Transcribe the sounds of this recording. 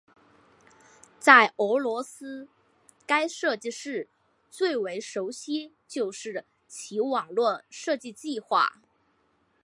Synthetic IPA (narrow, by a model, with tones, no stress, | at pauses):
t͡sa˥˩ɪʔɤ˧˥lwɔ˧˥sɹ̩˥ | ka˥ɪʂɤ˥˧t͡ɕi˥˧ʂɻ̩˥˩ | t͡swe˥˩ɪwe˧˥ɪʂo˧˥ʊɕi˥ | t͡ɕjo˥˧ʊʂɻ̩˥˩ | t͡ɕʰi˧˥wɑ˨˩ŋlwɔ˥˧ʂɤ˥˧t͡ɕi˥˧t͡ɕi˥˧xwa̰˥˩